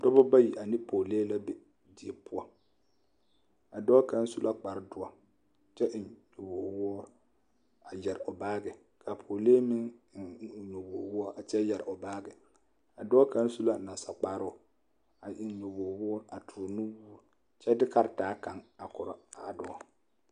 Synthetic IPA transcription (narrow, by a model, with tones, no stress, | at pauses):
dʊ˦bʊ˦ba˦ji˨ʔa˨nɪ˦poː˨leː˦la˦be˨ | di˨e˨pʰʊ˦ɔ˦ | a˨dɔ˦a˦ka˦n˦su˦lʔa˦k͡pa˨ɾdʊ˨a˨ | t͡ʃɛ˦ʔɪ˨ɲo˨woː˨wʊ˦ɔ˦ɾ | a˨jɛ˨ɾʊ˨baː˦ɡɛ˨ | ka˨pʰoː˨leː˦mɪ˦ŋ˨˦˨ | ɲʊ˨wo˨wʊ˦ɔ˦a˨t͡ʃɛ˦jɛ˨ɾʔʊ˨baː˦ɡɛ˨ | a˨dɔ˦a˦ka˦n˦su˦la˦na˨sa˨k͡paː˨˦ɾʊ˦˨ | a˨ɪ˨nɲo˨woː˨wʊ˦ɔ˦a˨tʰʊ˨nũ˦wuː˦˨ | t͡ʃɛ˦dɪ˦ka˦ɾtaː˨˦ka˨˦ŋa˨kʊ˨ɾɔ˨a˨dʊ˦ɔ˦˨